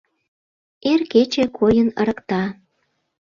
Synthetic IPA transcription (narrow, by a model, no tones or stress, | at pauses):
erket͡ɕekʰojənə̰̆ɾə̆kt̪ɑ